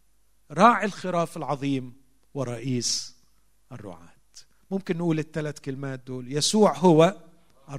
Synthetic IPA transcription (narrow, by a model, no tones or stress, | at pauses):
ɾˤɑːʕɪlxɪɾɑːfɪlʕɑðˤiːm | wɪɾˤɑʔiːs | ʔɪrˤːʊ̰ʕa̰ːt̪ | mʊmkɪnːʔuːlɪt̪ːalat̪kɪlmaːt̪̚d̪oːljasuːʕɦʊwa | ʔ